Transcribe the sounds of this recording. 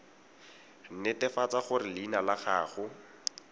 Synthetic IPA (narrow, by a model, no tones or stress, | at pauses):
n̩nɪtɪfat͡saχʊrɪlinalaχaːχʊ